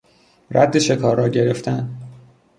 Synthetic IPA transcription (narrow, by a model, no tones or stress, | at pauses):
rʔæ̰d̪ːeʃe̞kʰɒːɾːɒːɟe̞ɾeft̪æn